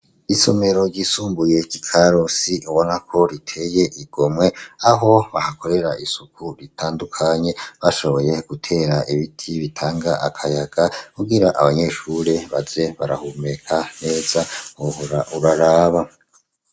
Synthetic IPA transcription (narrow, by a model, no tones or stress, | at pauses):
iso̞̰me̞ɾo̞ɾɟisuːmbuje̞ɟikʰaɾosiʔuβo̞nakʰo̞ɾitʰe̞je̞ʔiɡ̥o̞mŋe̞aɦo̞βahako̞ɾe̞ɾaʔisukuɾitʰaːndukʰaɲe̞βaʃo̞βo̞je̞ɡ̥utʰe̞ːɾaʔiβitʰiβitʰaːŋɡaʔakʰajaɡ̥akuɡiɾaʔaβaɲe̞ʃuɾe̞βaze̞βaɾahume̞kʰane̞ːz̥aɾauɾaɾaːβa